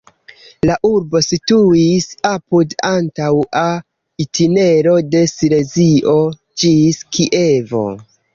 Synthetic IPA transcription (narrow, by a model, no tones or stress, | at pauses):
laʔuɾbo̞situisapudantawa | itʰine̞ɾo̞de̞sile̞ziʔo̞ | d͡ʒiskiʔe̞vo̞̰